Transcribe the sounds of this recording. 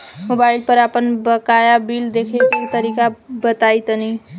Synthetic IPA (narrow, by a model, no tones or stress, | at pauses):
mobailpəɾapənbəkajabild̪ekʰeket̪əɾikabət̪ajt̪əni